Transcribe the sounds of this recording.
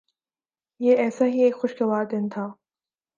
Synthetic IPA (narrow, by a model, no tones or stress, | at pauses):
jeɛːsaɦieːkxʊʃkeʋaːɾd̪ɪnt̪ʰaː